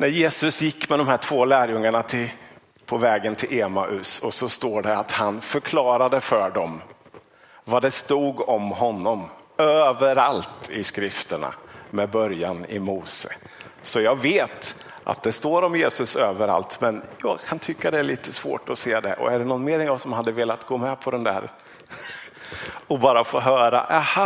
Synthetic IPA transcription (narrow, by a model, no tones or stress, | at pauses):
næɾjeːsɵsjɪkːmɛd̪ɔmhæːʈʰv̥oːlæːɾjɵŋːaɳat̪ʰɪ | pʰɔvɛːɡənt̪ʰɪlʔeːmaʔɵsɔsɔst̪oːɖɛat̪hanfœɾkʰlɑːɾad̪əfœɖɔm | vad̪ɛst̪uːɡɔmhɔnːɔmøːvəɾalt̪ɪskɾɪft̪əɳa̰mɛːd̪bœɾjanɪ̰muːsə̰ | sɔjɑːɡveːt̪ | ʔa̰t̪̚d̪ɛst̪oːɾɔmjeːsɵsøːvəɾa̰lt̪mɛnjɑ̰ːɡkʰant̪ʰʏkːad̪ɛæɭiːt̪ʰəsvo̰ːʈɔseːd̪ɛ̰ʔɔ̰æɖɛnɔnːmeːɾɛnjɑːɡsɔmhad̪ːəveːlat̪ɡoːmɛpʰɔd̪ɛnd̪æ̰ːɾ | ɔbɑːɾafoːɦœːɾa̰ʔɛh